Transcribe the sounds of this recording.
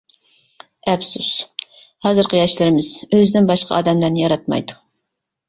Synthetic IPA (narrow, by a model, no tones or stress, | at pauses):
ɛpsus | hɑzɨɾqʰəjɑʃlɪɾɪmɪz̥øzɪnɪŋbɑʃqʰɑ̰ɑ̰ːd̪ɛmlæɾnɪjɑɾɑt̪̚mɑ̰jd̪u̥